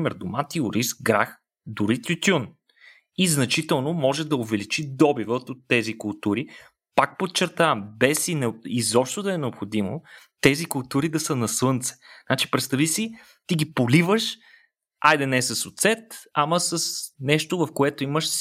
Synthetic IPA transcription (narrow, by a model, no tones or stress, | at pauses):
mɛɾd̪ʊmat̪iʊɾisɡɾax | d̪ʊɾit̪ʲut̪ʲun | iznɐt͡ʃit̪ɛlˠnomɔʒɛd̪ɐʊvɛlit͡ʃid̪ɔbivət̪ot̪ːɛzikʊlˠt̪uɾi | pak̚pot̪̚t͡ʃɛɾt̪avəmbɛsinɛizɔpʃt̪od̪ɐɛnɛopxod̪imo̰t̪ɛzikʊlˠt̪uɾid̪ɐsənɐslɤnt̪sɛ̥nat͡ʃi̥pɾɛt̪st̪ɐvisi | t̪iɡipolivəʃ | ajd̪ɛnɛsəsːot̪sɛt̪ɐməsəsnɛʃt̪ovɐfkoɛt̪oiməʃ